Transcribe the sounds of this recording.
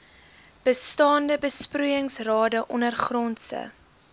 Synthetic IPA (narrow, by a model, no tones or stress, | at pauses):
b̥əstɑːndəbəsprujəŋsrɑːdəʔɔnərχrɔnsə̰